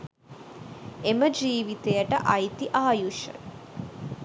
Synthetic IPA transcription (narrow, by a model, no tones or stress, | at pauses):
eməd͡ʒiːʋit̪ejəʈə̰ʔɐjt̪iʔaːjuʃə̰